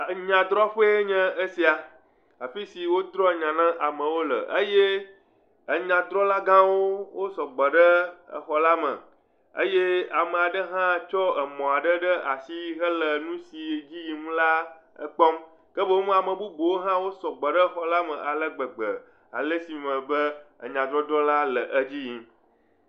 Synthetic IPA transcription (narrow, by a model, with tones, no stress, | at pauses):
ɲã˨d̪ɾɔ˦ɸe˦e˦ɲɛ̃˦ə˦si˨a˨ | a˨ɸi˦si˨wo˦d̪ɾɔ˦˨ɲã˨nã˦ʔa˨mə̃˨wo˦lə̰˨ʔə˦je˦ | ə˨ɲã˨d̪ɾɔ˦la˦ɡã˦wo˦wo˦sɔ˨ɡ͡bə˨ɖə˦ə̰˨xɔ˨la˦mə̰̃˨ | ə̰˦je˦a˨mə˨a˨ɖə˦ɦã˦˨t͡ʃɔ˦ə˨mɔ̃˨a˨ɖə˦ɖə˦ʔa˨si˦ɦə˦lə˨nũ˦si˨d͡ʑi˦ji˨ŋũ˦la˦ | ə̰˦k͡pɔ˦m | kə˦bə˦wmũ˦a˨mə̃˨bu˦bo˨wo˦ɦã˦wo˦sɔ˨ɡ͡bə˨ɖə˦xɔ˨la˦mə̃˨ʔa˨lə˦ɡ͡bə˨ɡ͡bə˨ | a̰˨lə˦si˨mə̃˨bə˦ə̰˨ɲã˨d̪ɾɔ˦d̪ɾɔ˦la˦lə˨ʔə˦d͡ʑi˦ji˦